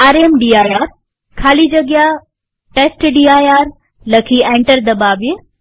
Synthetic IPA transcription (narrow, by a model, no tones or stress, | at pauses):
aːɾemɖiːaːjaːɾ | kʰaːlid͡ʑɐɡja | ʈeːsʈɖiːaːjaːɾ | lɐkʰiẽːɳʈəɾd̪ɐbaːʋi